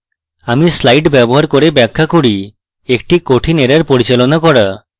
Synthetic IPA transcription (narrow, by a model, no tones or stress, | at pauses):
amislajʈbɛbɔɦaɾkɔɾebɛkʰːakuɽi | ek̚ʈikoʈʰineɾaɾpoɽit͡ɕalɔnakɔɽa